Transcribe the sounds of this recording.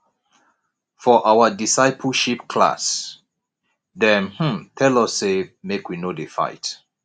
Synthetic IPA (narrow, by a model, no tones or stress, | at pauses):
fɔʔawədisaɪpʰəlʃipkʰla̰s | dɛ̃nhm̩tʰɛlɔsːemekwinodefa̰ɪt